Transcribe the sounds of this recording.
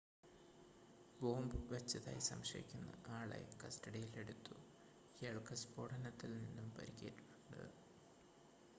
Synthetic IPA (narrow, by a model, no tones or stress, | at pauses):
bo̞ːmbɨʋɐt͡ɕːɐða̰ːjisɐ̰mʂɐjikʲːunːɐ̰aːɭḛkɐsʈɐɽijile̞ɽut̪ːu | keːɭkɐspo̞ːɽɐnɐt̪ːilninːumpɐ̰ɾikːeːʈːiʈːuɳɖɨ̰